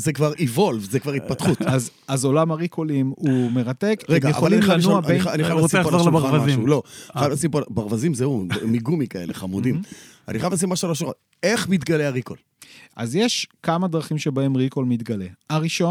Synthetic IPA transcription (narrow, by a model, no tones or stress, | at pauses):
zekvaʁivo̞lvzekvaʁit̪̚patχut̪az | azo̞lamaʁikʰolimumeʁat̪e̞kʁeɡajea̰voalinmanuabeiχajaniajavosieozaʁlaaʁvamazʃulo̞ajavlasimpobaʁvazimzeumiɡumikaḛleχamud̪imaniχajavlasimːaʃualaʃoʁet | eχmit̪ɡaleaʁikol | ʔa̰zjeʃkamad̪ʁaχimʃebae̞mʁikolmit̪ɡale̞aʁiʃo